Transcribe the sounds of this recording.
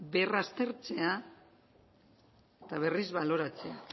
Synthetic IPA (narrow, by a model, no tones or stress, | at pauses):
be̞rast̪e̞ɾt͡se̞a | et̪aβ̞e̞rizβalo̞ɾat͡se̞a